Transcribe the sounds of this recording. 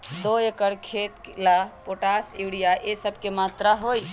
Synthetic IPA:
d̪oekəɽkʰet̪lapoʈasiʋɽijaʔesəb̚ʱkemaːt̪ɾaɦoj

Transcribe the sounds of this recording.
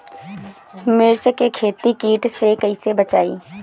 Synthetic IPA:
mɪɾt͡ʃkekʰeːt̪ikiːʈsekəɪsebət͡ʃaːḭː

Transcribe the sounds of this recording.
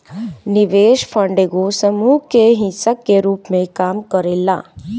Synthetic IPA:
nɪʋeːʃpʰə̃ɳɖeɡosəmuːkeɦĩsəkːeɾuːpmẽkaːmkəɾela̰ː

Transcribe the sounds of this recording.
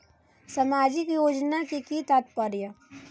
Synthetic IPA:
sɐmaːd͡ʒɪkjoːd͡ʒnakikit̪at̪̚pəɾja

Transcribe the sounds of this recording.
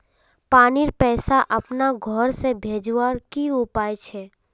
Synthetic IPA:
paːniɾpɛːsaʔɐpnaɡʱɔɾsebʱeːd͡ʒwaɾkiupaːjet͡ʃʰeː

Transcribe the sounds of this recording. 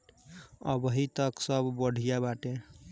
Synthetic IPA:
ə̰bəɦit̪əksəbːəɽ̤ʱijabaʈe

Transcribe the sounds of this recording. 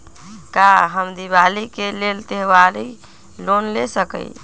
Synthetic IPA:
kaɦəmd̪iβalikelelt̪eɦwali | lonlesəkə̰j

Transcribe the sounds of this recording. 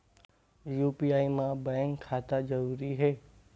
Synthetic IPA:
jupiaimãbəŋkʰat̪ad͡ʒəɾuɾiɦeː

